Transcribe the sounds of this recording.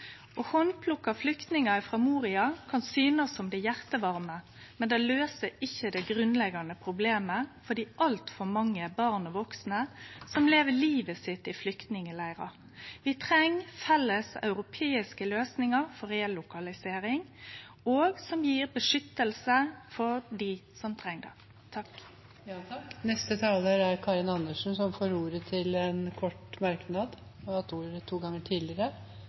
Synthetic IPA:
ʔɔhɔnpʰlʊkːɑflʏkt̪nɪŋɑɪfʁɑːmuːʁɪɑkʰɑnsyːnəsːɔmd̪ɛjæʁt̪əʋɑɾmə | mɛnd̪ɛːløːsəɪçːəd̪ɛɡʁʉnlɛɡɑnəpʰɾʊbleːməfɔd̪iːʔɑlt̪fɔɾmɑŋːəæbɑʁnɔʋɔksnəsɔmleːʋəliːʋəsɪt̪ːɪflʏkt̪nɪŋəlæɪʁɑ̰ | ʋɪt̪ʰʁɛŋfɛlːəsɑ̰ʉɾʊpʰeːɪskəløːsnɪŋɑɾfɔɾeɛlːʊkɑlɪseːɾɪŋ | oːɡsɔmjiːɾbəʂʏt̪ːəlsəfɔɾdisɔmt̪ʰɾɛŋd̪ɛ̰ | t̪ʰɑk | nɛst̪ət̪ʰɑːləɾæɾkʰɑːɾɪnɑnːəʂn̩sɔmfoːɾuːɾət̪ʰɪlɛnkʰɔʈmɑɾknɑd̪ | ɑt̪uːɾət̪ʰuːɡɑŋːəʈʰiːd̪lɪəɾə

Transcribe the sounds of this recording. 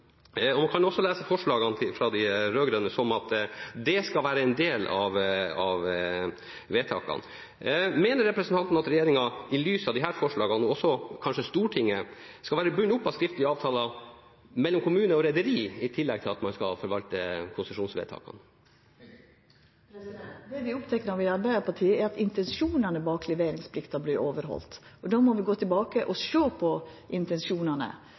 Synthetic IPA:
ɔmɑnkʰɑnʊɔsːɔlæːsəfɔʂɭɑːɡɑnt̪ʰɪfɾɑd̪ɪɾøːɡɾœnːəsɔmɑt̪d̪ɛskɑlʋæːɾəɛnd̪eːlɑ̰ʋɑʋ | ʋeːt̪ʰɑ̰ːkɑ̰n | meːnəɾɛpɾəsnt̪ɑnt̪n̩ɑt̪ɾɛjeːɾɪŋɑɪlyːsɑʋd̪ɪɦæːɾfɔʂɭɑːɡɑnɔsɔkʰɑnʂəst̪uːʈʰɪŋːə | skɑʋæːɾəbʉɲːəʊpːɑskɾɪft̪lɪəɑːʋt̪ʰɑːlɑ | mɛlːɔmkʰʊmʉːnəɔɾɛd̪əɾiːɪt̪ʰɪlːɛɡ̚t̪ʰɪlɑ̰t̪mɑnskɑ̰fɔɾʋɑlt̪ə̰kʰʊnsəʂuːnsʋḛːt̪ʰɑ̰ːkɑ̰n | d̪ɛʋɪʊpt̪ʰɛkːəɾɑʋɪɑɾbæɪɑpʰɑʈʰiːəɛɾɑt̪ɪnt̪ɛnsuːnɑnəbɑːklɛʋeːɾɪŋspʰlɪkt̪ɑbliːʔoːʋəɾɦɔ̰lt̪ | ɔd̪ɑːmɔʋɪɡoːt̪ʰɪlbɑːkəʔɔʃøːpʰɔʔɪnt̪ɛnsuːnɑnə̰

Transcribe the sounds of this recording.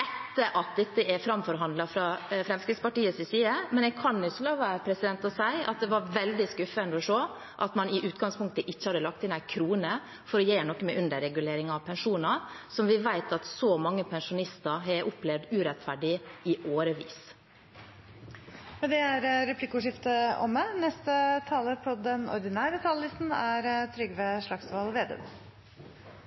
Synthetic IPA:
ɛt̪ːəʔɑt̪̚d̪ɛt̪ːəɛfɾɑmfɔɾɦɑnd̪lɑfɾɑfɾɛmskɾɪt̪spɑʈiːəsɪsiːəmɛnɛɡ̚kʰɑnʊslɑːʋɑpʰɾɛsɪd̪ɛnt̪ɔsæɪʔɑ̰t̪̚d̪ɛʋɑɾʋɛld̪ɪskʉfənɔʂoː | ʔɑt̪mɑnɪʔʉːt̪ɡɑŋspʰʊŋk̚t̪əʔɪçːəhɑd̪əlɑk̚t̪ɪnæɪkʰɾuːnə | fɔɾɔjeːnɔkːmɛʔʉnd̪əɾɛɡʉleːɾɪŋɑʋpʰɛnʂuːnɑsɔmʋɪʋæɪt̪ɑt̪sɔmɑŋːəpʰɛnʂʊnɪst̪əɾɦɛʔʊplɛʋd̪ʉːɾɛt̪fæɖɪɪʔoːɾəʋḭːs | mɛd̪ɛæɾɾɛpʰlɪkːʊʂɪft̪əʔɔ̰mənɛst̪ət̪ʰɑːləɾpʰɔd̪ɛnɔ̰ɾd̪ɪnæːɾət̪ʰɑːləlɪst̪n̩æɾt̪ʰɾʏɡʋeʂlɭɑksʋɑlʋeːd̪ḛːb

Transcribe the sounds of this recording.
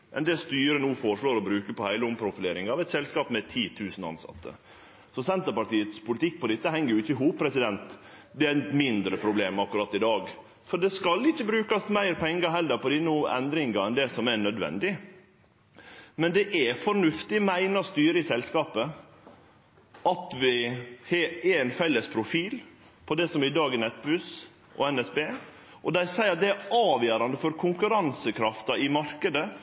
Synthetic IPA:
ʔɛ̰nd̪ɛst̪yːɾənuːfɔʂɭoːɾɔbɾʉːkəpɔhæɪləʊmpʰɾʊfɪleːɾɪŋɑʋɛɪt̪sɛlskɑːpmɛt̪ʰiːt̪ʰʉːsn̩ɑ̰nsɑ̰t̪ːə̰ | sɔsɛnt̪əɾpɑʈiːət̪spʊlɪt̪ʰɪkːpʰɔd̪ɛt̪ːəɦɛŋːəɾjʊɪçːəɦuːpʰːɾɛsɪd̪ɛnt̪ | d̪ɛæmɪnd̪ɾəpʰɾʊbleːmɑkːʉɾɑt̪ːɪd̪ɑːɡ | fɔɖɛskɑlɪçːəbɾʉːkɑsmæɪɾpʰɛŋːəɦɛlːəɾpɔd̪ɪnːɛ̰nd̪ɾɪŋɑɾɛnd̪ɛsɔmɛnœd̪ʋɛ̰nd̪ɪ | mɛnd̪ɛʔɛfɔɾnʉft̪ɪmæɪnɑst̪yːɾəɪsɛlskɑːpə | ɑt̪ʋɪheɛnfɛlːəspʰɾʊfiːl | pʰɔd̪ɛsɔmɪd̪ɑːɡɛnɛt̪̚ːbʉs | ʔɔ̰ɛnɛsbeː | ʔɔd̪æɪsæɪɑt̪̚d̪ɛæɾɑːʋjøːɾɑnd̪əfɔɾkʰʊŋkʉɾɑnsəkʰɾɑft̪ɑɪmɑɾkəd̪ə

